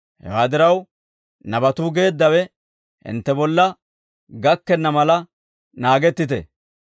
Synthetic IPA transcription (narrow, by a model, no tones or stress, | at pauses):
hɛ̰waːd̪ɪɾɐw | nɐbɐt̪uːɡe̞ːd̪ːɐwɛ | hɪ̰nt̪ːɛbɔlːɐ | ɡɐkːɛnːɐmɐlɐ | naːɡɛt̪ːɪt̪ɛ̰